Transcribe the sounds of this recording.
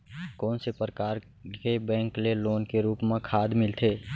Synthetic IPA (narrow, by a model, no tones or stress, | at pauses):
kɔːnsepɾəkaːɾ | kebɛ̃ːŋkleloːnkeɾuːpmẽkʰaːd̪mɪlt̪ʰeː